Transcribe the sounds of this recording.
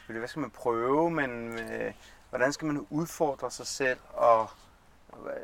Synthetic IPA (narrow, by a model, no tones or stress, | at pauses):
ødʋæsɡ̥æmænpʰʁœːʊʊəmen | ʋɒɾ̥ænsɡ̥æmænuð̞ˠfɒːd̥ʁɐsɑ̈ɪsel̰ɒ̽